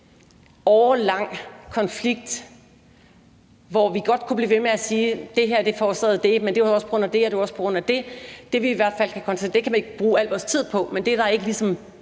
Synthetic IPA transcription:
ɒːlɑ̈ŋ̰kʰɒ̽nfliɡ̥̚d̥ | ʋɒʋiɡ̥ɒ̽d̥̚kʰub̥liːʋe̝meæsiːd̥e̝ɦeɐ̰d̥e̝fɒːsʰɛð̩ˠd̥e̝mend̥eɒspʰɒ̽ɡ̥ɔ̽n̰æd̥e̝heɐd̥eɒ̽spʰɒ̽ɡ̥ʁɔ̽n̰æd̥e̝d̥e̝ʋiːʋæɐd̥fæl̰kʰækʰɒnsʰeɐd̥e̝kʰæmæne̝ɡ̥b̥ʁuːæl̰ʋɒːst͡sʰið̞̰ˠpʰɒ̽mend̥e̝ɐɾ̥ɑ̈e̝ɡ̥əlisɒ̽m

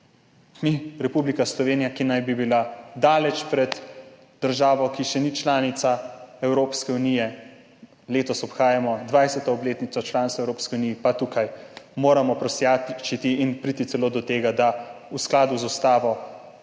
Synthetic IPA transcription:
miɾɛpublikaslɔʋeːnijakinajbibilad̪aːlɛt͡ʃpɾɛd̪ | d̪̥əɾʒaːʋɔkiʃɛnit͡ʃlaːnit̪saɛwɾoːpskɛunijɛ | leːt̪ɔsɔpxaːjamɔd̪ʋajsɛt̪ɔɔbleːt̪nit̪sɔt͡ʃlaːnst̪aɛwɾoːpskiuniːipat̪uːkajmoːɾamɔpɾɔsjat͡ʃit̪iːnpɾiːt̪it̪sɛloːd̪ɔt̪eːɡad̪ausklaːd̪uzust̪aːʋɔ

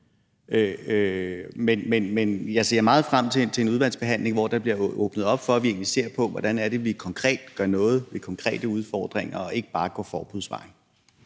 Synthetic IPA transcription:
ø | menmenmenjɑ̈ɪse̝̰ɐmɑ̈ːð̞̩ˠfʁam̰t͡sʰe̝t͡sʰe̝e̝nuð̞ˠʋæn̰sb̥e̝ɦæn̰le̝ŋʋɒ̰d̥ɑ̈b̥liɐɔ̰ːb̥nəðˠɒ̽b̥fɒ̽æʋie̝ːnlise̝̰ːɐpʰɒ̽ʋɒd̥ænæɐɾ̥e̝ʋikʰɒ̽ŋkʰʁɛ̰ːd̥ɡ̥ɶɐnɔ̽ːð̞̩ˠʋe̝kʰɒ̽ŋkʰʁɛ̰ːd̥əuð̞ˠfɒ̰ːd̥ʁeŋɐɒ̽e̝ɡ̥əb̥ɑ̈ːɡ̥ɒfɒːb̥uðˠsʋɑ̈ɪn

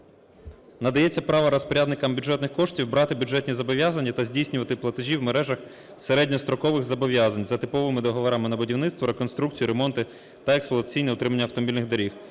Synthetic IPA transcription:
nɐd̪ɐjɛt͡sʲːɐpɾɑʋɐɾɔspɔɾʲad̪nɪkɐmbʲjʊʐɛt̪nɪxkɔʂtʲiwbɾɑt̪ɪbʲjʊʐɛt̪ʲnʲizɐbɔʋʲjazɐnʲːɐt̪ɐzʲdʲijsʲnʲʊʋɐt̪ɪplˠɐt̪ɪʒʲiwmeɾɛʒɐx | seɾɛdʲnʲɔst̪ɾɔkɔʋɪxzɐbɔʋʲjazɐnʲzɐt̪ɪpɔʋɪmɪd̪ɔɦɔʋɔɾɑmɪnɐbʊdʲiwnɪt̪st̪ʋɔɾekɔnst̪ɾuk̚t͡sʲijiɾemɔnt̪ɪ | t̪ɐeksplˠɔɐt̪ɐt͡sʲijnɛʊt̪ɾɪmɐnʲːɐwt̪ɔmɔbʲilʲnɪɣd̪ɐɾʲix

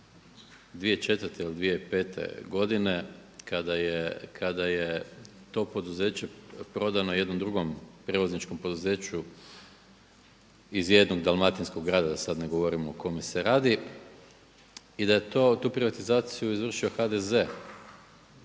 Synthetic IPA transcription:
d̪ʋijet͡ʃe̞t̪ʋərt̪eilid̪ʋijeipe̞ːt̪ʰḛɡo̞d̪ine̞kad̪ajekʰad̪aje | t̪o̞po̞d̪uze̞ːt͡ɕe̞pɾo̞d̪anoje̞d̪nomd̪ɾuɡo̞mpɾe̞ʋoznit͡ʃko̞mpo̞d̪uzeːt͡ɕu | izje̞d̪no̞ɡd̪alˠmat̪insko̞ɡɡːɾaːd̪ad̪asad̪neɡo̞ʋo̞ɾimoːkʰo̞meseɾaːd̪i | id̪aje̞t̪ot̪uːpɾiʋat̪izaːt̪sijuizʋr̩ʃio̞xad̪eze̞

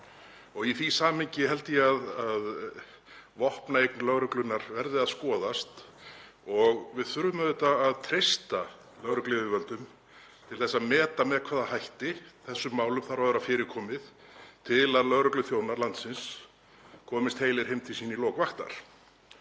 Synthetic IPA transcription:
ɔɣiθisaːmɪɲcɪhɛlt̪ɪjɛaðað | vɔhpnaejknʏlœɣɾœklʏnːaɾvɛɾðɪaðskɔːðast̪ | ɔɣvɪðθʏɾvʏmaðɛt̪aːðt̪ʰɾejst̪a | lœɣɾœklɪvɪvœlt̪ʏm | t̪ʰɪlθɛsːaðmɛːt̪amɛðkʰv̥aːðahajht̪ɪθɛsːʏmːaːwlʏmθaɾvaðʏɾafɪːɾɪkʰɔːmɪð | t̪ʰɪlaðlœɣɾœklʏθjownaɾlant̪sɪns | kʰɔːmɪst̪heːjlɪɾhejmt̪ʰɪsiːnilɔːkvaxt̪a̰ɾ̥

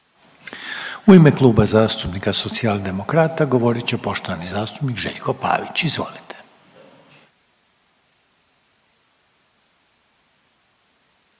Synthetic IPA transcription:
uimeklˠuːbazaːst̪upnikaso̞t̪siald̪e̞mo̞kɾaːt̪aɡo̞ʋo̞ɾit͡ɕe̞po̞ʃt̪o̞ʋanizaːst̪upnikʒḛʎko̞pa̰ːʋit͡ɕizʋo̰lit̪ʰe̥

